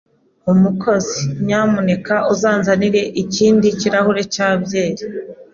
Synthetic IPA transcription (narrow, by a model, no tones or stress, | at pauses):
umukʰo̞ziɲamune̞kaʔuzaːnzaniɾe̞ʔiciːndiciɾahuɾe̞caːbɟe̞ːɾi